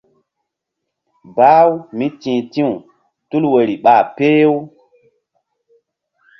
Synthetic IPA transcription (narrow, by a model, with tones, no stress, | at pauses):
ba˦wmi˦tĩ˨tĩ˦u˨ | tu˦lwə˨ɾi˨ɓa˨pe˦w